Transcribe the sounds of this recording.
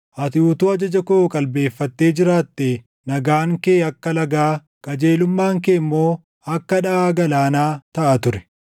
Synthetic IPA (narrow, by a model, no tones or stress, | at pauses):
ʔɐt̪ɪuːt̪uːɐd͡ʒɐd͡ʒɐkokʼɐlbe̞ːfːɐt̪ːe̞ːd͡ʒɪɾaːt̪ːe | nɐɡaːŋkeːɐkːɐlɐɡaː | kʼɐd͡ʒe̞ːlʊmːaːŋkeːmːo̞ː | ɐkːɐᶑɐaːɡɐlaːnaːt̪ɐʔɐt̪ʊɾɛ̥